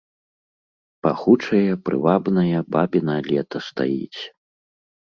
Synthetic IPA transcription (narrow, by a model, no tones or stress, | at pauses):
paxut͡ʂɐjɐpɾɨ̰vabnɐjɐbabʲinɐlʲɛt̪ɐst̪a̰jḭt͡sʲ